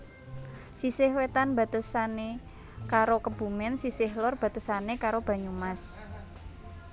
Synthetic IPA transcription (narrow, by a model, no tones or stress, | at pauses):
sisɪhwet̪anb̥a̤t̪əsane | kaɾokəb̥ṳmɪnsisɪhlɔrb̥a̤t̪əsanekaɾob̥a̤ɲumas